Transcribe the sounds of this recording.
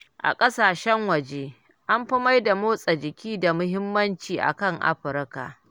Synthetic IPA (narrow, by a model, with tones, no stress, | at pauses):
ʔa̰˨kʼɐ˦saː˨ʃɛ˦ŋwɐ˨d͡ʒeː˦ | ʔa˦mɸɐ˦ma˦jda˨moː˦sʼɐ˨d͡ʒɪ˨kʲʰiː˦da˨mʊ˦ɦɪ˦mːɐ˦nt͡ʃiː˨ʔa̰˨kɐ˦ŋʔa̰˦ɸɪ˨ɾka̰˨ʔ